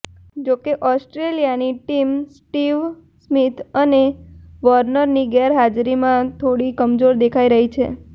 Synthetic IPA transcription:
d͡ʒokeʔɔsʈɾelijaniʈimsʈiʋ | smit̪ʰəneʋəɾnəɾniɡɛɾɦad͡ʒɾimãt̪ʰoɽikəmd͡ʒoɾd̪ekʰaiɾəɦit͡ʃʰḛ

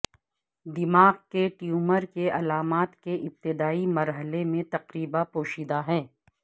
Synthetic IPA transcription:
d̪ɪmaːɣkeʈjuːməɾkeɐlaːmaːt̪keʔɪp̚t̪ɪd̪aːimɐɾɦəlemẽt̪ɐqɾiːbapoːʃiːd̪aɦɛ̃ː

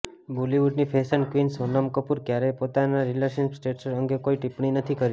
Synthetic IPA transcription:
buliʋuɖnipʰesənkʋinsənəmkəpuɾkjaɾepot̪anaɾilesənksʈeʈsɾəŋɡekoiʈipɳ̃inət̪ʰikəɾi

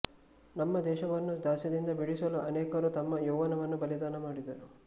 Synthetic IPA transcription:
nɐmːɐd̪ɛːʃɐʋɐnːud̪aːʃɐd̪ind̪ɐbiɽisɐluʔɐnɛːkɐɾut̪ɐmːɐjuːʋɐnɐʋɐnːubɐlid̪aːnɐmaːɽid̪ɐɾu

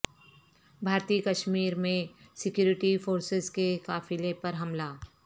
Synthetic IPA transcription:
bʱaːɾt̪iːkɐʃmiːɾmẽsɪkjuːɾɪʈifoːɾsɪzkekaːfilẽpɐɾɦɐmlaː

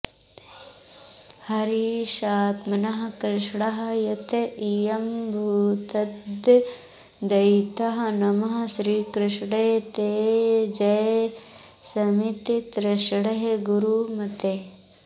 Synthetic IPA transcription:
hɐɾiʃaːt̪mɐnɐɦɐkɾɪʃɽɐɦɐjɐt̪eijɐmbʱuːt̪ɐdd̪ | d̪ɐjt̪ɐɦɐnɐmɐɦɐʃɾiːkɾɪʃɽɐɦet̪eːd͡ʒɐj | sɐmit̪it̪ɾɪʃɽɐɦeɡuɾuːmɐt̪e

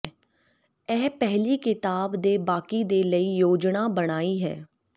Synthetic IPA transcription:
ɛːpɛɦliːkɪt̪aːbd̪eːbaːkiːd̪eːləiːjoːd͡ʒnaːbəɽ̃aːiːɦɛ̰ː

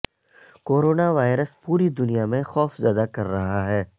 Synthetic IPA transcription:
koːɾoːnaʋaːɪɾəspuːɾid̪ʊnijamẽxɔːfzjaːd̪akɐɾːɐɦaɦɛː

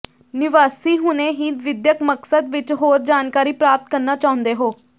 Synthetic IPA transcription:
nɪʋaːsiːɦʊneːɦiːʋɪd̪jəkməksəd̪ʋɪt͡ʃɦoːɾd͡ʒaːnkaːɾiːpɾaːp̚t̪kəɾnaːt͡ʃaːʊ̃nd̪eːɦoː

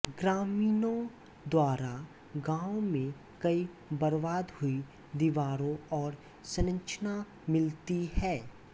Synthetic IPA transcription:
ɡɾaːmiːnõ | d̪waːɾa | ɡãːomẽ | kɐi | bəɾʋaːd̪hʊi | d̪ɪʋaːɾõɔːɾ | sənə̃t͡ʃʰna | mɪlt̪iɦɛː

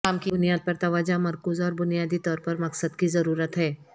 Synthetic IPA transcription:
amkiʊnijaːd̪̚pɐɾt̪ɐʋaːd͡ʒamɐɾkuːzɔːɾbʊnijaːd̪it̪ɔːɾpɐɾmɐksəd̪kizɐɾuːɾət̪ɦɛː

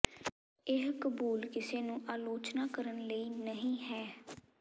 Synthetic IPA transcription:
ɪɦkəbuːlkɪseːnũːʔaːloːt͡ʃnaːkəɾənləiːnəɦĩːɦɛː

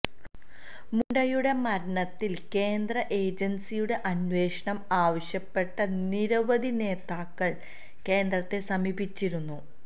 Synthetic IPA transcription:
muɳɖɐjuɽe̞mɐɾɐɳɐt̪ːilke̞ːnd̪ɾɐʔe̞ːd͡ʑɐnsijuɽe̞ʔɐnʋe̞ːʂɐɳɐmaːʋɐɕjɐpːe̞ʈːɐniɾɐʋɐd̪ine̞ːt̪aːkːɐɭ | ke̞ːnd̪ɾɐt̪ːe̞sɐmibʱit͡ɕːiɾunːu

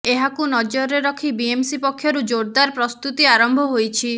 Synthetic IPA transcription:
eɦakunɔd͡ʒɔɾeɾɔkʰibiemsipɔkʰːjɔɾud͡ʒoɽd̪aɾpɾɔst̪ut̪iaɾɔmbʱɔɦojt͡ʃʰi

